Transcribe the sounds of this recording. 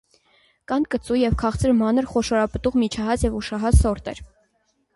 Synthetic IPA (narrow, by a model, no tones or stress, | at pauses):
kɑnkət͡sujɛvkʰɑχt͡səɾmɑnəɾχɔʃɔɾɑpət̪uʁmit͡ʃʰɑɦɑt͡sjɛvuʃɑɦɑt͡ssɔɾt̪ɛ̰ɾ